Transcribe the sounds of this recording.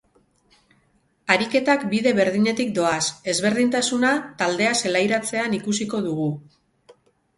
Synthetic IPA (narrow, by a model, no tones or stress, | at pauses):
aɾike̞t̪akbiðe̞βe̞ɾðiɲe̞t̪ik̚d̪o̞ase̞zβe̞ɾðint̪asunat̪ald̪e̞ase̞lajɾat͡se̞anikusiko̞ðuɣ̞u